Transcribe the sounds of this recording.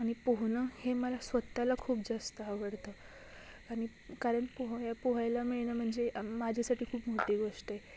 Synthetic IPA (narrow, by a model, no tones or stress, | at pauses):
aɽ̃ipoɦɳəheməlasʋət̪ːalakʰuːpd͡zast̪əɦaʋəɽt̪ə | aɽ̃i | kaɾəɳpoɦjapoɦajlamiɭnəm̤əɳd͡zemad͡ʑʱasaʈʰiːkʰuːpmoʈiːɡoʂʈəje